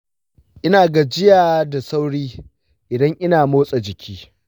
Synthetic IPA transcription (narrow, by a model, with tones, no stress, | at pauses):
ʔɪ˦naː˨ɡa˨d͡ʒɪ˦jaː˨da˨sa˦wɽiː˦ | ʔɪ˨dɐ˦ŋʔɪ˦naː˨moː˦sʼa˨d͡ʒɪ˨kʲʰiː˦